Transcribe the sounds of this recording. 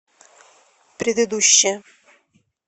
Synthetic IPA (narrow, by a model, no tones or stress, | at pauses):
pɾʲɪd̪ɨd̪uɕːɪ